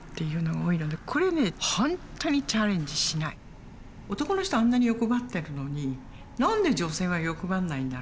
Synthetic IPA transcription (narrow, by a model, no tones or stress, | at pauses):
t̪ːe̞jɯ̟ːno̞ɡaoːiɾɯ̟nd̪ekʰo̞ɾe̞ne̞hõntt̪oɲ̟it͡ɕaɾẽ̞ɲ̟d͡ʑiɕinai | o̞t̪o̞ko̞noɕi̥t̪oãnːaɲʲijo̞koɡat̪ːe̞ɾɯ̟no̞ɲ̟i | nãnd̪e̞d͡ʑo̞se̞ːβajokoɡanːaĩnd̪a